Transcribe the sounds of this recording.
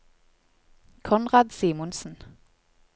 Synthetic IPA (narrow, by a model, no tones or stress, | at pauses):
kʰɔnʁɑːd̪siːmʊnsn̩